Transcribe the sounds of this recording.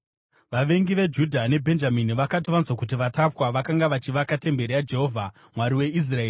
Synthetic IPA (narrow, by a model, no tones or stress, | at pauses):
ʋaʋe̞ŋɡiʋe̞d͡ʒudʱane̞bʱe̞nd͡ʒaminiʋakatiʋanzwakut̬iʋatapwaʋakaŋɡaʋat͡ʃiʋakate̞mbe̞ɾejad͡ʒe̞ɦo̞vʱa | mwaɾiwe̞is̬raeːri